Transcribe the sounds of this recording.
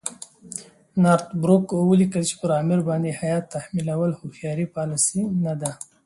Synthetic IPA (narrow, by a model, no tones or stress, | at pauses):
nɑːɾt̪bɾukwəlikəlt͡ʃe̥pəɾɑːmɪɾbɑnd̪ehajɑːt̪ːahmilawəlhuxjɑːɾipɑlɪsinad̪a